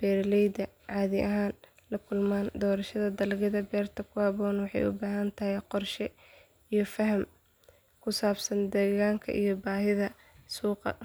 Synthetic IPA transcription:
b̥ɛːrlɛjd̪ɐʕɑːðɪʔɐɦaːn | lɐkʰʊlmaːnd̪ɔːɾɐʃɐðɐd̪ɐlɣɐðɐbɛːrt̪ʰɐkʰʊhɑβɔːnwɑħɑ̰jʊ̰baːɦɐnt̪ʰɐhɛjqɔrʃɛ | ijɞfɐɦɐm | kʰʊsaːbsɐnd̪ɛːɣaːŋkʰɐ̰ʔḭjɞbaːɦɪðɐ | suːqɑ̰

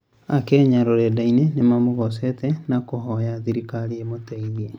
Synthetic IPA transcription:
akɛːɲaɾoɾɛdainenemamoɣɔsɛtɛnakoɦɔjaðiɾikaɾiemotaiðiɛ

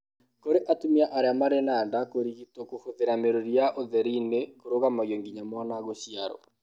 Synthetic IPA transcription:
koɾeʔatumiaʔaɾeamaɾenaːndakoɾiɣitɔkohoðeɾameɾoɾijaʔoðɛɾinekoɾoɣamajoŋɡiɲamɔnaɣoɕiaɾɔ̰

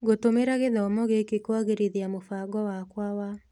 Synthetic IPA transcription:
ɡotomeɾaɣeðaɔmɔɣekekwaɣeɾeðiamofaɡɔwakwawa

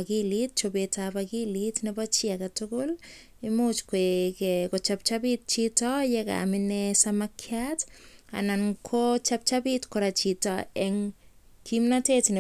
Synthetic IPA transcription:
kilit̚t͡ʃobetapakilitnɛbat͡ʃiakatʊkʊl | ɪmut͡ʃkwekɛkɔt͡ʃap̚t͡ʃabit̚t͡ʃitɔjɛka̰mɪnɛsamakʰjata̰nankʰot͡ʃap̚t͡ʃapitkɔɾat͡ʃitɔɛŋ | kimnatetne

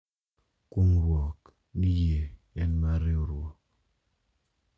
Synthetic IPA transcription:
kuŋɾwɔk | nije | ɛnmaɾeoɾwɔk̚

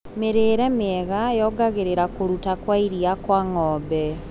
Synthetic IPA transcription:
meɾeːɾɛmeɛɣajɔːɡaɣeɾeɾakoɾutakwaiɾiakwaŋɔːbɛ

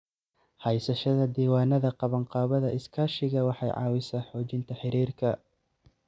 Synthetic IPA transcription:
hɐjsɐʃɐðɐd̪iːwɑːnɐðɐqɑβɐɴqɑːβɐðɐʔɪskʰaːʃɪɣɐwɑħɑ̰jʕɑ̰ːwɪsaːħɔːt͡ʃɪnt̪ʰɐħɪɾiːrkʰɐ

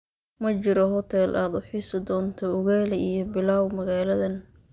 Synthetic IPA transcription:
mɐt͡ʃɪɾɔɦɔt̪ʰɛlʔaːd̪ʊħiːsɐd̪ɔːnt̪ʰɔʊɣɛːlɛijɔbɪlaːwmɐɣaːlɐðɐn

